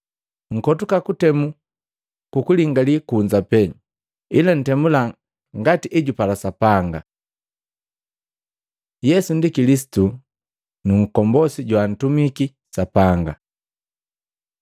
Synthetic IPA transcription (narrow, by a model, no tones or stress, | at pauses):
ŋ̩kɔtukakutɛmu | kukuliŋɡalikuɲd͡ʒapɛɲ | ilan̩tɛmula | ŋɡatiʔiɟupalasapaŋɡa | jɛsundikilis̬i̥tu | nuŋ̩kɔmbɔsiɟwan̩tumiki | sapaŋɡa